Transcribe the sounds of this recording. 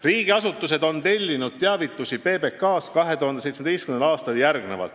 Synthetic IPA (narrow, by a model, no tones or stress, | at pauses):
riːɡ̥iɑsut̪ːˑuse̞d̪o̞nt̪e̞lʲːinud̪̥̚t̪eɑvit̪ːˑusʲipe̞ːbe̞kːɑːskɑɦe̞t̪uhɑnd̪esejt̪smed̪ejstkymnenɑːst̪ɑljærɡne̞̰vɑ̰lt̪ː